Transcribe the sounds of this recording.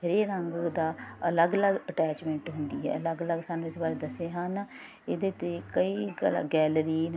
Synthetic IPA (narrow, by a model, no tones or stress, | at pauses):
əɾeːɾəŋɡd̪aːələɡələɡəʈɛːt͡ʃmɛ̃ːɳʈɦʊnd̪ḭːɦɛ̰ːələɡələɡsaːnːũːɪsbaːɾeːd̪əseːɦan | ɪd̪eːt̪eːkəiːɡɛːləɾiː